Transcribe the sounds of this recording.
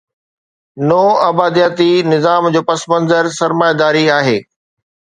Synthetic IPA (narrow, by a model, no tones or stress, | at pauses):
noːɐbaːd̪ijaːt̪inɪzaːmd͡ʑoːpɐsmɐ̃nzəɾsɐɾmaːjad̪aːɾiaːɦeː